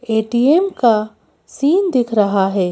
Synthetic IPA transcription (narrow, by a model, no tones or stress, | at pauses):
eːʈiemka | siːnd̪ɪkʰɾɐɦaɦɛː